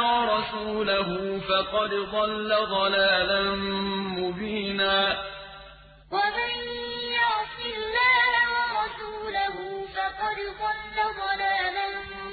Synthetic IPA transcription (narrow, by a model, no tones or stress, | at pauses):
ɾˤɑsuːlaɦʊfɑqɑd̪d̪ˤɑlːad̪ˤɑlaːla | mʊbiːnaː | wamajjɑɾsɪlːaːhawɾˤɑsuːlaɦʊfɑqɑd̪d̪ˤɑlːad̪ˤɑlaːla